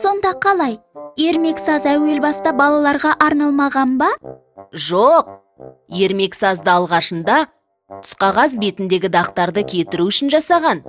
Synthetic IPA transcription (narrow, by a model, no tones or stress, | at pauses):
so̞nd̪ɑqʰɑlˠɑj | je̞ɾme̞ksɑzæwe̞lbɑst̪ɑbɑlˠɑlˠɑɾʁɑʔɑɾnɑlˠmɑʁɑnbɑ | ʒoq̚ | je̞ɾme̞ksɑzd̪əɑlˠʁɑʃənd̪ɑ | t̪ʰʊ̥sqɑʁɑs̬be̞t̪ɪnd̪e̞ɡʲɪd̪ɑqt̪ɑɾd̪əkʲʰe̞t̪ɪɾuʏʃɪnʒɑsɑʁɑn